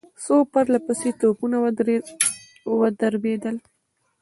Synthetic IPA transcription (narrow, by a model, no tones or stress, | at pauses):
sopaɾlapəset̪opuna | wəd̪əɾbed̪əl